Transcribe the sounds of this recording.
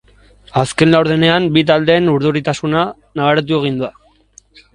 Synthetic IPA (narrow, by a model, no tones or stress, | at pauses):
aske̞nlawɾðene̞ambit̪̬ald̪e̞ːnuɾðuɾit̪asuna | naβaɾet̪̬ue̞ɣ̞ind̪ua